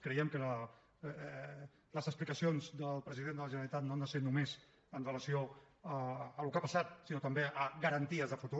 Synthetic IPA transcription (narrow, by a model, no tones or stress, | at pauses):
kɾəjɛmkəə | ləzəksplikəsionzðəlˠpɾəziðend̪ələʒənəlit̪at̪noand̪əsenumez | ənrələsio | əːlukapəsat̪̚sinot̪əmbeʔəɣəɾənt̪iəzðəfut̪u